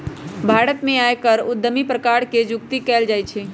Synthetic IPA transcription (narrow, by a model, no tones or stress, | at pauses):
bʱaɾət̪mẽajkəɾud̪ːəmipɾəkaɾked͡ʒʊk̚t̪ikɛld͡ʒajt͡ʃʰi